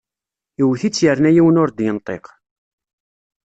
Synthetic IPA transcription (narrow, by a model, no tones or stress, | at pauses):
iwθit͡sːjəɾnæjiwənʊɾd̪jənt̪ˤeq